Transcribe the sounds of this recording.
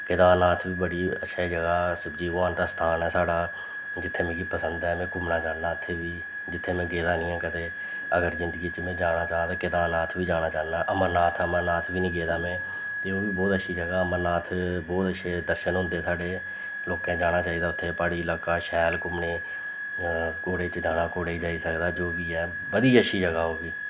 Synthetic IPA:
kɪd̪aːnaːt̪ʰbiːbəɽiːə̰tːʃʰaːd͡ʒəɡaːsəbd͡ʒiːʋãːnt̪aːst̪ʰaːnɛːsaːɽaː | d͡ʒɪt̪ʰːeːmẽːɡiːpəsənd̪ɛːmẽːkʊmnaːt͡ʃaːnaːʊt̪ʰːeːbiː | d͡ʒɪt̪ʰːeːmɛ̃ːɡeːd̪aːnĩːãːkət̪eː | əɡəɾzɪ̃nd̪əɡiːt͡ʃmẽːd͡ʒaːñaːt͡ʃaːt̪aːkɪd̪aːnaːt̪ʰbiːd͡ʒaːñaːt͡ʃaːnaːʔəmənaːt̪ʰːəmənaːt̪ʰbiːnĩːɡeːd̪aːmẽː | t̪eːoːʋiːbɔːt̪əʃiːd͡ʒəɡaːəməɾnaːt̪ʰbɔːt̪əʃʰeːd̪əɾʃənɦʊ̃nd̪eːsaːɖeː | loːkãːd͡ʒaːɽ̃aːt͡ʃaːiːd̪aːʊt̪ʰːeːpaːɽiːɪlaːkaːʃɛːlkʊmneː | koːɽeːt͡ʃd̪aːnaːkoːɽeːiːd͡ʒaːisəkd̪aːd͡ʒoːbiːɛː | bəd̪iːəʃiːd͡ʒəɡaːoːbiː

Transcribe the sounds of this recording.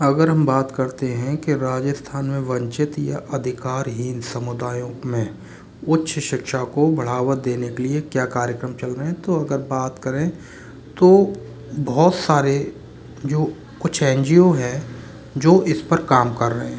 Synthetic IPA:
ɐɡəɾɦɐmbaːt̪kɐɾt̪eɦɛ̃keɾaːd͡ʒəst̪ʰaːnmẽʋɐ̃ɲt͡ʃɪt̪ja̰ʔɐd̪ʱɪkaːɾɦiːnsɐmʊd̪aːjõmẽ | ʊtːʃʰʃɪkʃakobʱɐɽ̤aːʋət̚d̪eːnekeliekjaːkaːɾjəkɾəmt͡ʃɐlɾəɦɛ̃t̪oɐɡəɾbaːt̪kɐɾẽ | t̪oː | bɔɔːt̪saːɾe | d͡ʒoː | kʊt͡ʃʰɛ̃ːɲd͡ʒijoɦɛ | d͡ʒoːʔɪspəɾkaːmkɐɾːəɦẽ

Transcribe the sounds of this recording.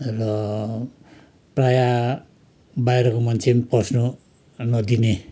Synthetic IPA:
rʌ | praja | bajɾʌkomant͡sʰempʌsnʌ | nʌd̪ine

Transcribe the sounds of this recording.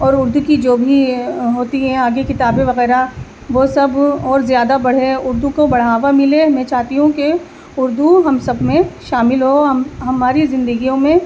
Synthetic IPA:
ɔːɾʊɾd̪ukid͡ʒoːbʱiɦoːt̪iɦɛ̃aːɡekɪt̪aːbẽʋɐɣɛːɾa | ʋosɐbɔːɾzjaːd̪abɐɽ̤ɦeʊɾd̪ukobɐɽ̤aːʋamɪlemɛ̃ːt͡ʃaːɦt̪iɦũke | ʊɾd̪uɦɐmsɐbʱmẽʃaːmɪlɦoɦɦɐmaːɾizɪ̃nd̪əɡijõmẽ

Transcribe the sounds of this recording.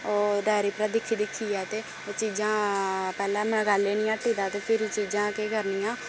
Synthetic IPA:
oːɖɛːɾiːpəɾɛ̃ːd̪ɪkʰːiːd̪ɪkʰːiːɛːt̪eː | oːt͡ʃiːd͡ʒãːpɛːlɛ̃ːmɛ̃ːɡaːlːeːniːãːʈiːd̪aːt̪eːpʰɪɾt͡ʃiːd͡ʒãːkekəɾniːãː

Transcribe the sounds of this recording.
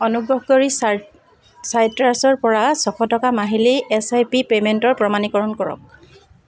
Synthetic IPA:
ɔnubɹɔɦkoɹi | sajtɹasɔɹpɔɹasɔxʰɔtɔkamaɦiliʔɛsajpipementɔɹpɹɔmanikɔɹɔnkɔɹɔ̰k̚

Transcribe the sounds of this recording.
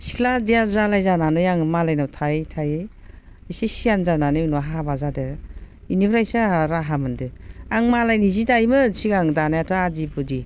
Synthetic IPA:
si̥kʰladijazalajzananɯjaŋmalajnawtʰajtʰajɯj | sesijanzananɯnɔɦabazadeɾ | inibɾajsaɾaɦamɯndɯaŋmalajnizidajmɯsiɡaŋdanajatʰɔadipudi

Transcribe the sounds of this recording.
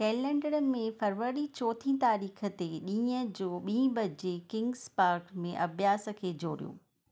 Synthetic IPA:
kɛːlɛ̃ːɳɖəɽəɪmẽfɐɾʋəɾit͡ɕɔːt̪ʰĩt̪aːɾiːxʰə̆t̪eɗĩːəd͡ʑoːɓĩːbʱɐd͡ʑekɪ̃ŋɡspaːɾkmẽʔɐbʱjaːsə̆kʰeːd͡ʑo̰ːɾijo̰ː

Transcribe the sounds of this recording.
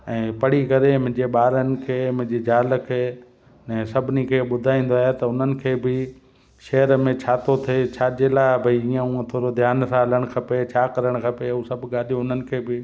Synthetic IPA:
ɛ̃ːpɐɽ̤ikɐɾemʊ̃ɦɪ̃ɲd͡ʑeɓaːɾənɪ̆kʰeːmʊ̃ɦɪ̃d͡ʑed͡ʑaːlə̆kʰeː | nɛ̃ːsɐbʱɪnikʰeːɓʊd̪ʱaːĩːn̆d̪oaːɦet̪ɐʊn̤ənɪ̆kʰeːbɪ | ʃɐɦəɾmẽt͡ɕʰaːt̪ot̪ʰɐet͡ɕʰaːd͡ʑelabʱɐiiːə̃ũːə̃t̪ʰoːɾod̪ʱjaːnsãləɽ̃kʰɐpet͡ɕʰaːkɐɾəɽ̃kʰɐpeũsɐbʱɠaːɗijõʊn̤ənɪ̆kʰeːbɪ

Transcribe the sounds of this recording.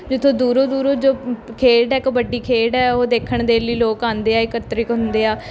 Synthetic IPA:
d͡ʒɪt̪ʰːõːd̪uːɾoːd̪uːɾoːd͡ʒoːkʰeːɖɛːkːbəɖiːkʰeːɖɛːoːd̪eːkʰəɳd̪eːliːloːkãːnd̪eːaːɪkət̪ɾɪkɦʊ̃nd̪eːaː

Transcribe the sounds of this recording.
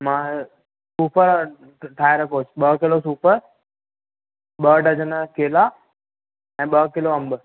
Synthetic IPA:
mãː | suːpəɾ | ʈʰaːeɾɐkʰot͡ʃʰɓəkɪlosuːpəɾ | ɓəɖəd͡ʑənəkeːla | ɛ̃ːɓəkɪloɐ̃mbə

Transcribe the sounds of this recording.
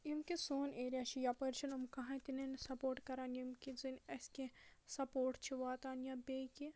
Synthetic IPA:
imkisoːneːɾijat͡ʃʰijapɐɾt͡ʃʰɐnumkɐɦãt̪inensɐpoːɾʈkɐɾaːnimkizinɐskesɐpoːɾʈt͡ʃʰiʋaːt̪aːnjabeːki

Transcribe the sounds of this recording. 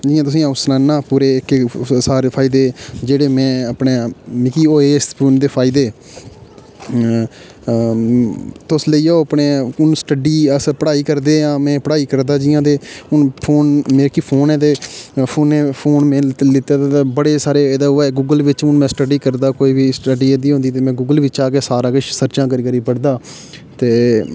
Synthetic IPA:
d͡ʒɪːãːt̪ʊsĩːãːsnaːnːãːpuːɾeːksaːɾeːpʰaːɪd̪eːd͡ʒeːɽeːmɛ̃ːəpɳeːmɪkiːoːeːspund̪eːpʰaːɪd̪eː | t̪ʊsləiːooːəpneːʊnsʈəɖiːəspəɽaːiːkəɾd̪eːãːmɛ̃ːpəɽaːiːkəɾd̪aːd͡ʒɪːãːd̪eːʊnpʰoːnmeːɾkiːpʰoːnɛ̃ːd̪eːpʰoːnːeːpʰoːnmɛ̃ːlɪt̪ːaːd̪at̪aːbəɽeːsaːɾeːed̪aːoɛːɡuːɡəlʋɪt͡ʃʊnmɛ̃ːsʈəɖiːkəɾd̪aːkoːiːʋiːsʈəɖiːed̪iːɦõːnd̪iːt̪eːmɛ̃ːɡuːɡəlʋɪt͡ʃaːkeːsaːɾãːkəʃsəɾt͡ʃãːkəɾiːkəɾiːpəɽd̪aː | t̪eː

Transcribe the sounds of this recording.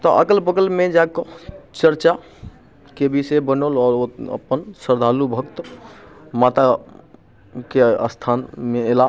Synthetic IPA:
t̪ɔʔəɡəlbəɡəlmed͡ʒakɔt͡ʃəɾt͡ʃa | kebisebənolɔːɾoə̰pːənsəɾd̪ʱalubʱəɡt̪ | mat̪a | keə̰st̪ʰanmeːla

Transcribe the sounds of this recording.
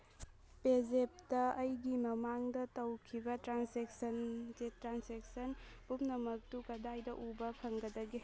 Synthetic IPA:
pezep̚tɐːjɡimɐmaŋdɐtɐwkʰibɐtɾansek̚sɐnzetɾansek̚sɐnpumnɐmɐk̚tukɐdajdɐʔubɐpʰɐŋɡɐdɐɡi

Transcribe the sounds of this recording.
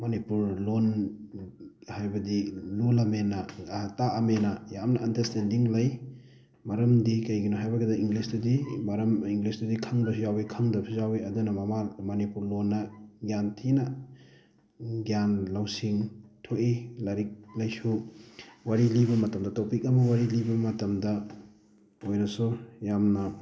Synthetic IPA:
mɐnipuɾlon | hajbɐdilulamenɐtaɐmenɐjamnɐɐndɐɾstendiŋlɐj | mɐɾɐmdikɐjɡinoɦajbɐɡɐdɐiŋɡlisdɐdimɐɾɐmiŋɡlisdudikʰɐŋbɐs̬ujawikʰɐŋdɐpʰizawiɐdunɐmɐmamɐnipuɾlonːɐɡjantʰinɐ | ɡjanlawsiŋtʰoʔilɐɾik̚lɐjsu | waɾilibɐmɐtɐmdɐtɐwpik̚ɐmɐwaɾilibɐmɐtɐmdɐ | ojnɐsujamnɐ

